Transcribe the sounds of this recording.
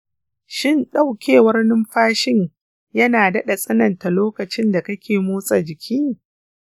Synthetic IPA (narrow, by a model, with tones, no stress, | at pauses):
ʃɪ˦˨nɗa˦˨wkʲʰeː˨wɐ˦rnɪ˦mɸaː˦ʃɪ˦ɲ | jɐ˦naː˨dɐ˦ɗa˨sʼɐ˦nɐ˨nta˨loː˦kɐ˨t͡ʃɪ˦nda˨kɐ˦kʲʰeː˨moː˦sʼa˨d͡ʒɪ˨kʲʰiː˦